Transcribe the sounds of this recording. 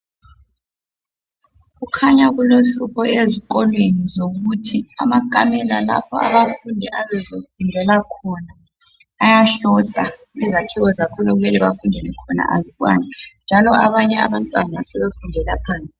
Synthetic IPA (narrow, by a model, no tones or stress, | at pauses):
ɣukʰaɲaɣuloɬupʰɔeziɣ̬ɔlwenizoɣutʰia̰makʼamɛlala̰pʰɔ̰a̰βafundʱɛʔaβɛβefundʱɛlakʰɔnaː | jaɬɔd̥ʱa | izakʰiwɔzakʰɔluɣumɛlɛβa̰fundʱɛlɛkʰɔna̰ʔa̰ziɓʼwa̰ːnɛnd͡ʒʱalɔʔaβaɲɛa̰βantʼwanasɛβefundʱɛlapʰaːnt͡sʼi